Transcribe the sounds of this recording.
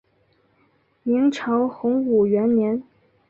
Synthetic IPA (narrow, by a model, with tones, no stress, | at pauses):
i˧˥ŋʈ͡ʂʰɑ˧˥ʊxʊ˧˥ŋu˨˩ɥɛ˧˥nnjɛ˧˥n